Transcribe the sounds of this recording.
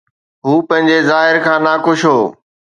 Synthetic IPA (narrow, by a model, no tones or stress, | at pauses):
ɦuːpɐ̃ɦɪ̃ɲd͡ʑezaːɦɪɾkʰãːnaːkʊʃɦoː